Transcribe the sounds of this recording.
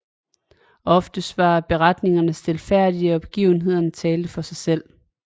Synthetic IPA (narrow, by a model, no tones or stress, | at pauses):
ɒ̽fd̥əsdʋɑ̈b̥e̝ʁɑd̥ne̝ŋɐnəsd̥elfæɐ̰d̥iɒ̽b̥ɡ̥ḭːʊn̩ɦe̝ð̞̰ˠɐnət͡sʰɛːld̥əfɒ̽sɑ̈ɪsel̰